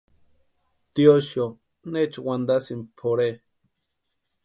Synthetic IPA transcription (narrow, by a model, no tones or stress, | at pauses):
t̪ioʃjo | net͡ʃwand̪asimpʰoɾe